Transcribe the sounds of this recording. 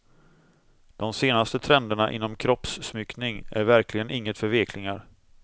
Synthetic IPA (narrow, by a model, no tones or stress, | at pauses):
d̪̥ɔmseːnast̪ət̪ʰɾɛnd̪əɳaʔɪ̰nːɔmkʰɾɔpsːmʏknɪŋæ̰ɾvæɾklɪɡənʔɪŋːət̪fœɾveːkʰlɪŋaɾ